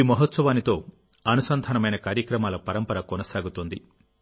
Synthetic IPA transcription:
iːmɐɦɐt̪sɐʋaːnit̪o̞ː | ɐnusɐnd̪ʱɐnɐmɐjnɐkaːɾjɐkɾɐmaːlɐpɐɾɐmpɐɾɐkonɐsaːɡut̪ond̪i

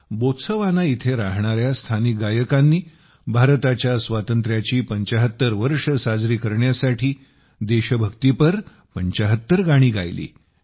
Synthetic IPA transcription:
bot̪səʋanait̪ʰeɾaɦɳ̃aɾjast̪ʰanik̚ɡajəkanːiː | bʱaɾt̪at͡ɕjasʋat̪ənt̪ɾjat͡ɕiːpəɲt͡ɕəɦət̪ːəɾʋəɾʂəsad͡zɾiːkəɾɳjasaʈʰiː | d̪eɕəbʱəkt̪ipəɾ | pəɲt͡ɕəɦət̪ːəɾɡaɽ̃iːɡʱa̰jlḭː

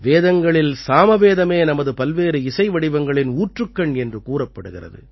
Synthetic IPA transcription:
ʋeːðɐŋɡɐɭɪlsaːmɐʋeːðɐmeːnɐmɐðɯpɐlʋeːɾɯɪsɐɪʋɐɽɪʋɐŋɡɐɭɪnuːʈrɯkːɐɳɛndrɯkuːrɐpːɐɽɯɣɪrɐ̰ðɯ̰

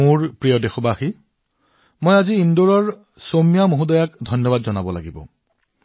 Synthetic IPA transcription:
ʊɹpɹijɔdexɔbaxi | mojaziindoɹɔɹ | somijamoɦudɔjakdʱɔnjɔβadzɔnabɔla̰ɡibɔ̰

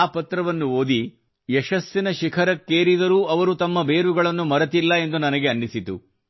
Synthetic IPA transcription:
aːpɐt̪ɾɐʋɐnːuo̞ːd̪i | jɛʃɐsːinɐʃikʰɐɾɐkːeːɾid̪ɐɾuːʔɐʋɐɾut̪ɐmːɐbe̞ːɾuɡɐɭɐnːumɐɾɐt̪ilːɐe̞nd̪unɐnɐɡe̞ɐnːisit̪ṵ

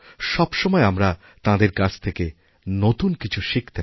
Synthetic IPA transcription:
ʃɔbʃɔmɔeamɾa | t̪ãd̪eɾkad͡ʑʰt̪ʰeke | not̪unkit͡ɕʰuʃikt̪e

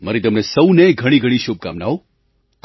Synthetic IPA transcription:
məɾit̪̬əmnesəwneɡʱəɽ̃iɡʱəɽ̃iʃub̚ka̰mnao

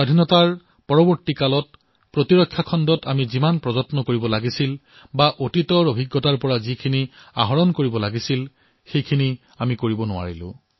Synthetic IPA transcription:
adʱinɔtaɹ | pɔɹɔbɔɹtikalɔt̚ | pɹotiɹɔkʰːjakʰɔndɔtamizimanpɹɔzɔtnɔkoɹibɔlaɡisil | baʔotitɔɹobʱiɡːɔtaɹpɔɹazikʰinia̰ɦɔɹɔnkoɹibɔlaɡisil | xejkʰini | amikoɹibɔnʊa̰ɹilʊ̰̃

